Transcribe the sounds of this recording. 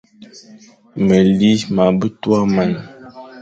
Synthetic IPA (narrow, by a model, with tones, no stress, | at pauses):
mə˨li˦ma˨bə˦twa˦ma˨n